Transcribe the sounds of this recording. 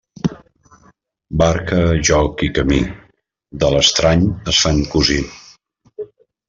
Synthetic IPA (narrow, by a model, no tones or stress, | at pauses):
baɾkəʒɔkikəmḭ | d̪ələst̪ɾaɲəsfaŋkuzin